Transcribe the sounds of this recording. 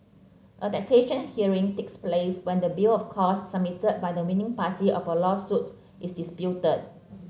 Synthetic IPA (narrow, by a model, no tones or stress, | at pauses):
ʔətɛk̚seʃə̃nhiəɹĩŋtekspleswɛ̃ndəbilɔfkʰɔsːəb̚mitəd̚bajdəwĩnɪ̃ŋpatiʔɔfəlɔsut | ʔisdispjutəd̚